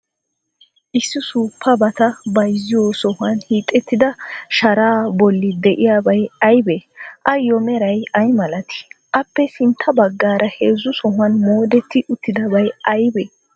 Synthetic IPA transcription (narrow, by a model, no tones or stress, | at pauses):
ʔɪsːɪsuːpːɐbɐt̪ɐbɐjzːɪjoːsɔhʊɐnhiːt̪ʼːɛt̪ːɪd̪ɐʃɐɾaːbɔlːɪd̪ɛʔɪjaːbɐjɐjbɛʔɐjɔmɛɾɐjɐjmɐlɐt̪ɪ̥ʔɐpːɛsɪnt̪ʰːɐbɐɡːaːɾʔɐhe̞ːzːʊsɔɦʊɐnmo̞ːd̪ɛt̪ːɪʔʊt̪ːɪd̪ɐbɐjɐjbɛ